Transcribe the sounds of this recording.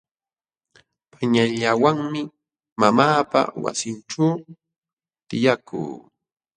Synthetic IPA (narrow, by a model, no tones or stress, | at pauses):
pʰaɲaʎawaŋmɪ | mamaːpa̰wa̰sɪnʈ͡ʂaw | t̪ɪjakṵː